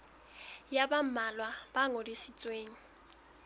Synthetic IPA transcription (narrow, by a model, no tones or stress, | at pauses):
jabam̩malwab̥aŋodisit͡sʼweːŋ̩